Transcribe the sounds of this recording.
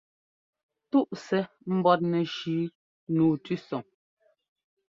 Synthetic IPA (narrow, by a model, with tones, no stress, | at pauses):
tu˦ʔsɛ˦ | m̩˦bɔ˦t̬̚nɛ˨ʃiː˨˦ | nuː˨tʉ˦sɔ˨ŋ